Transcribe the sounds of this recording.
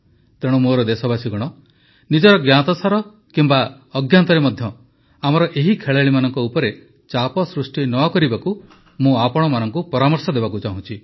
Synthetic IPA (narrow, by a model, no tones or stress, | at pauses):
t̪eɽ̃umoɾɔd̪esɔbasiɡɔɽ̃ɔ | nid͡ʒɔɾɔɡjat̪ɔsaɾɔ | kimba | ɔɡjant̪ɔɾemɔd̪ʱjɔ | amɔɾɔʔeɦikʰeɭaɭimanɔŋkɔupɔɾe | t͡ʃapɔsɾusʈinɔkɔɾibaku | mũapɔɽ̃ɔmanɔŋkupɔɾamɔɾsɔd̪ebakut͡ʃaɦũt͡ʃʰi